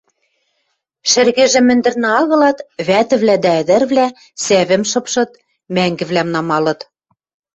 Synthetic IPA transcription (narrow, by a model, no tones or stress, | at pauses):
ʃɘ̆rɣeʒĕmɘ̆nd̪ɘ̆rnɘ̆ɑɣɤ̆lɑt̪βæt̪ɘ̆βlæd̪æɘ̆d̪ɘ̆rβlæ | sæβɘ̆mʃɤ̆pʃɤ̆t̪ | mæŋɡɘ̆βlæmnɑmɑlɤ̆t̪